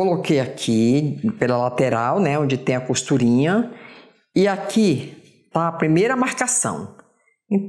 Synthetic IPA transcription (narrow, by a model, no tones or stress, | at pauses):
olokejakʰipelɐlat̪eɾawnɛõd͡ʒɪt̪ẽj̃ɐkost̪uɾĩɲɐ | ɪakʰi | t̪aɐpɾimejɾɐmaɾkasɐ̰̃w̃ | ẽ